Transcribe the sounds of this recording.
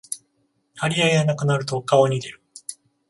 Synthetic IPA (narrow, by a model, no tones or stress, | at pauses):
haɾʲiaeanakɯ̟naɾɯ̟t̪o̞kaoɲ̟id̪e̞ɾɯ̟̥